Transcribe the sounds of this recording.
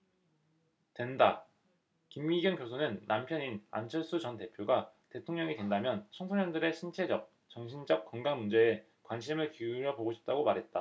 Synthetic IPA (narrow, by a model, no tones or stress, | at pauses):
twe̞nda | kimɡiɡjʌnkjosʰonɯnːampʰjʌnina̰nt͡ɕʰʌɭs͈ut͡ɕʌnte̞pʰjoɡate̞tʰoŋɲʌŋidwe̞ndamjʌnt͡ɕʰʌŋsʰoɲʌndɯɾe̞ɕʰint͡ɕʰe̞d͡ʑʌk̚ | t͡ɕʌŋɕʰind͡ʑʌk̚k͈ʌŋɡaŋmund͡ʑe̞ː | kwanɕʰimɯɭkiuɾjʌboɡoɕʰi̥p̚t͈aɡomaɾɦe̞t̚t͈a